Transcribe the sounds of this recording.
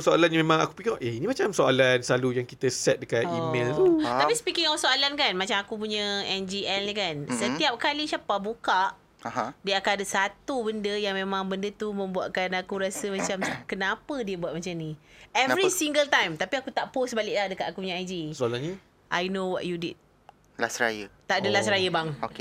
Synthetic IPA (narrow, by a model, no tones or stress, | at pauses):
soalanɲəmẽmãŋaku̥pikiŋɔʔeinimat͡ʃamsoa̰lanslalujaŋkit̪əsɛt̪̚dəkatimelt̪ut̪apispikiŋɔfsoalankanmat͡ʃamakupuɲə̃ɛnd͡ʒiɛlnikansət̪iap̚kalisapabukaʔ | diəakanadəsat̪ubəndəjaŋmẽmãŋbəndət̪umə̃mbua̰ʔkanakuɾasəmat͡ʃamkənãpədiəbuaʔ̚mat͡ʃamni | ɛvɾisiŋɡəlt̪ãjmt̪apiakut̪aʔposbalɪʔ̚lahdəkat̪akupuɲaajd͡ʒisoalaɲə | ʔajnowɔ̰ʔjudḭd̚ | lasɾa̰jət̪aʔdəlasɾajəbaŋoke